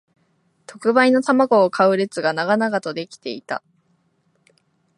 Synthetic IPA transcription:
t̪o̞kɯ̟baino̞t̪amaɡo̞ːkʰaɯ̟ɾe̞t͡sɨɡanaɡanaɡat̪o̞d̪e̞kʲi̥t̪e̞̰it̪a̰

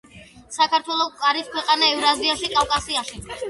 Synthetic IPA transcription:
sakʰaɾt̪ʰwɛlˠɔkʼaɾiskʰwɛqʼanaɛvɾaziaʃikʼavkʼasiaʃi

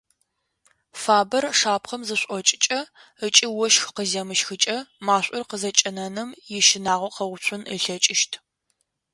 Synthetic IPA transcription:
faːbɐrʂaːpχɐmzɨɕʷʼɔt͡ʃʼɪ̥t͡ʃʼɐ | ət͡ʃʼɪwɔʃxqəzɐmɨʃxɨt͡ʃʼɐmaːɕʷʼʊrqəzɐt͡ʃʼɐnɐnɨmjɪʃɪnaːʁʷɐqɐwt͡ʃʷʰʊnə̰ɬɐt͡ʃʼɪʃtʰ

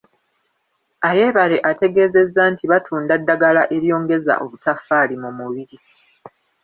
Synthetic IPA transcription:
aje̞ːβale̞ʔate̞ɡe̞ːze̞zːantiβatʰuːndadːaɡalaʔe̞ɾjo̞ːŋɡe̞za̰ʔo̞βutafːaːlimumuβiɾi

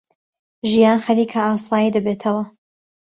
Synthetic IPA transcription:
ʒijaːnxɐliːkʰɐaːsˤɑːjid̪ɐbeːt̪ʰɐwɐ

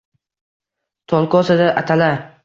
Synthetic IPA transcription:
t̪ʰɒlˠkɒsad̪aʔat̪ʰala

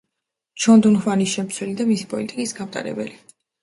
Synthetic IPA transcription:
t͡ʃʰɔnd̪unχwanisʃɛmt̪sʰwɛlid̪amisipʼɔlit̪ʼikʼisɡamt̪ʼa̰ɾɛ̰bɛ̰li

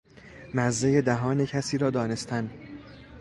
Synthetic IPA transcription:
mæzːejed̪æɦɒːnecʰæsiːɾɒːd̪ɒːne̞st̪æn

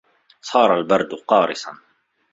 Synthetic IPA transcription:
sˤɑːɾˤalbɑɾˤd̪qɑːɾɪsa̰n

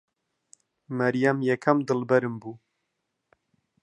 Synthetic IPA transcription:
mɐɾijamjɛkʰɐmd̪ɨlbɛɾɨmbu

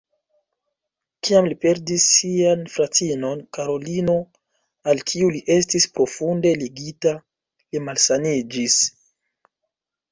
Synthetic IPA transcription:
kiamlipe̞ɾdisːianfɾatino̞nkaɾo̞lino̞ | alkʰiuliʔe̞stispɾo̞funde̞liɡita | limalsanid͡ʒis

